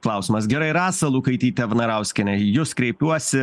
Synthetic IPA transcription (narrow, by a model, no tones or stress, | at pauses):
klˠɐʊsʲimɐs̬ɡʲɛɾɐɪɾɑːsɐlˠuːkɐɪt̪ʲiːt̪ʲɛʋnɐɾɐʊsʲkʲɪnʲɛjʊskɾʲɛɪpʲuɔsʲɪ